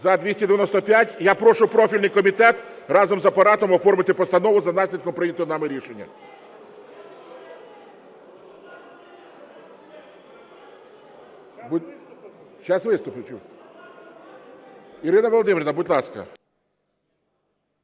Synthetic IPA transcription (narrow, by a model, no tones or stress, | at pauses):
zɐd̪ʲʋʲisʲtʲɐd̪eʋʲjɛnɔst̪ɔpʲjatʲjapɾɔʃʊpɾɔfʲilʲnɪjkɔmʲit̪ɛt̪rɑzɔmzɐpɐɾɑt̪ɔmɔfɔrmɪt̪ɪpɔst̪ɐnɔʋʊzɐnɑsʲlʲid̪kɔmpɾɪnʲɐt̪ɔnɑmɪɾʲiʃenʲːɐ̰ | bu | ʃɑsʋɪst̪ʊpɪt͡ʃʲu | iɾɪnɐʋɔlˠɔd̪ɪmʲɪɾʲnɐbʊt̪ʲlˠɑskɐ̰